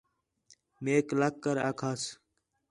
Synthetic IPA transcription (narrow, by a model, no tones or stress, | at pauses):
meːklakːəɾaːkʰaːs